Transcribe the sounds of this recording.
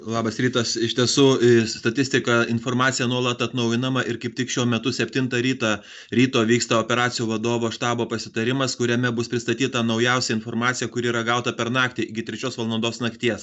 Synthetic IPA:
lˠɑːbɐsɾʲiːt̪ɐsɪʃt̪ʲiɛsuːst̪ɐt̪ʲɪsʲt̪ʲɪkɐɪnfoːɾmɑːt̪sʲɪjɛnuɔlˠɐt̪ɐt̪nɐʊjɪnɐmɐʔɪɾkɐɪp̚ʲt̪ʲɪkʃʲuɔmʲɛt̪ʊsʲɛpʲt̪ʲɪnt̪ɐɾʲiːt̪ɑ | ɾʲiːt̪oːʋʲiːkst̪ɐoːpʲɛɾɑːt̪t͡s̪ʲɪjuːʋɐd̪oːʋoːʃt̪ɑːboːpɐsʲɪt̪ɐɾʲɪmɐskʊɾʲɛmʲɛbʊspʲɾʲɪst̪ɐt̪ʲiːt̪ɐnɐʊjɛʊsʲɛɪnfoːrmɑːt̪sʲɪjɛkʊɾʲɪiːɾɐɡɐʊt̪ɐpʲɛɾnɑːkt̪ʲiɡʲɪt̪ʲɾʲɛt͡ʃʲoːsʋɐlˠd̪ɐnd̪oːsnɐkt̪ʲiɛs

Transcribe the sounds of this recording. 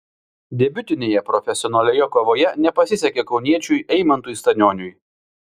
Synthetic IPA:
d̪ʲɛbʲʊt̪ʲɪnʲeːjɛpɾɔfʲɛsʲɪɔnɐlʲeːjɛkoːʋoːjɛnʲɛpɐsʲɪsʲɛkʲekɒʊnʲiɛt͡ʃʲujɛɪmɐnt̪uːjst̪ɐnʲoːnʲʊj

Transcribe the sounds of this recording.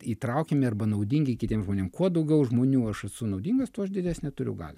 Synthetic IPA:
iːt̪ɾɐʊkʲemʲɪɐrbɐnɐʊd̪ʲiŋʲɡʲɪkʲɪt̪ʲiɛmʒmoːnʲeːmkuɔd̪ɐʊɡʲɛʊʒmoːnʲuːɐʃɐsʊnɒʊdʲiːŋɡɐst̪ʊɐʃdʲɪdʲæːsʲnʲɛt̪ʊɾʲʊ̰ɡɑ̰ːlʲɛ

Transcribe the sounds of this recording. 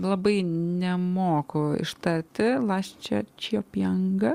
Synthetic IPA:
lˠɐbɐɪnʲɛmoːkʊɪ̰ʃt̪ɐɾʲt̪ʲɪlˠɑːsʲt͡ʃʲɛt͡ʃʲːopjɛŋɡɐ

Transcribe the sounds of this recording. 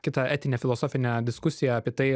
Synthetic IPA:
kʲɪt̪ɐæːt̪ʲɪnʲeːfʲɪlˠoːsoːfʲɪnʲɛd̪ʲɪskʊsʲɪjɛɐːpʲiɛt̪ɐɪ

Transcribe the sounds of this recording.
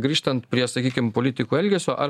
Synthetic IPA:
ɡɾʲiːʃt̪ɐnt̪pʲɾʲiɛsɐkʲiːkʲɪmpolʲiːt̪ʲɪkuːɛlʲɡʲɛsʲoːʔɐ

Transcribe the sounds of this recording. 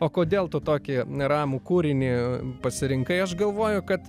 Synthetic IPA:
oːkoːd̪ʲeːlˠt̪ʊt̪oːkʲɪɾɑːmuːkuːɾʲɪnʲipɐsʲɪɾʲɪŋkɐɪɐʃɡɐlˠʋoːjʊkɐt̪

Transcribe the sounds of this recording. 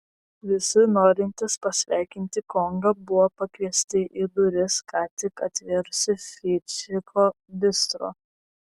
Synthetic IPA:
ʋʲɪsʲɪnoːɾʲɪnʲt̪ʲɪspɐsʲʋʲæˑɪkʲɪnʲt̪ʲɪkɔŋɡɐbʊʋoːpɐkʋʲiɛsʲt̪ʲɪʔid̪ʊɾʲɪskʰɑːt̪ʲɪkɐt̪ʲʋʲɛɾsʲɪfʲiːt͡ʃʲɪpʰoː | b̪ʲɪst̪ɾo̰ː

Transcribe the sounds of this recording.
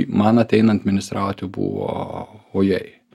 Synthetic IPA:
mɐnɐt̪ʲɛɪnɐɐt̪ʲmʲɪnʲɪst̪ɾɑːʊt̪ʲjubṵːʋo̰ːoːjɛɪ

